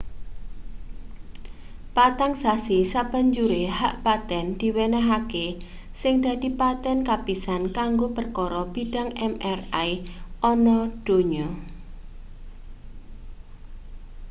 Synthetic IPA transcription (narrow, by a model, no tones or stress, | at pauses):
pat̪aŋsasisab̥a̤ɲd͡ʒuɾehaʔpat̪ɛnd̪̥i̤wenaɦake | sɪŋd̪̥a̤d̪i̤pat̪ɛnkapisankaŋɡopərkɔɾɔb̥iɖ̥a̤ŋɛmɛrajɔnɔɖ̥o̤ɲɔ